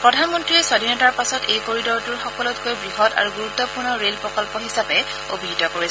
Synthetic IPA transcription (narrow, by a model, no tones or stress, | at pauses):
pɹɔdʱanmɔntɹiɛswadʱinɔtaɹpasɔtejkoɹidɔɹtʊɹxɔkɔlɔtkojbɹiɦɔta̰ɹuɡuɹut̪ːɔpuɹnɔɹelpɹɔkɔlpɔɦisapɛ | o̰bʱiɦitɔkoɹi